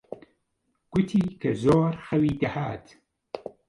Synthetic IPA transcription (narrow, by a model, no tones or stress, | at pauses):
ɡ̥ʊt̪ʰiːkʰɐzoːɾxɐwiːd̪ɐhaːt̪